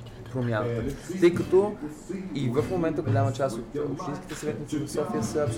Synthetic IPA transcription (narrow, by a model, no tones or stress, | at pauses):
pɾomʲjanɐt̪ət̪əjkɐt̪ɔ | ivəfmomɛnt̪əɡolʲamət͡ʃast̪ot̪o̰pʃt̪inskit̪əsɐvɛt̪nəfilˠosɔfiəsəɐps